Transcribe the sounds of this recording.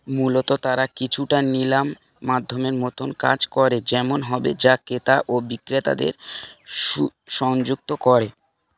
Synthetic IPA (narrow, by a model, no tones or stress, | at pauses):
mulot̪ot̪aɾakit͡ɕʰuʈanilamː | ad̪ʱːomeɾmot̪ʰonka̰d͡ʑkɔɾed͡ʑɛmonɦɔbḛd͡ʑaket̪aʔobikɾet̪a̰d̪ḛɾ | uʃɔŋd͡ʑuk̚t̪okɔɾe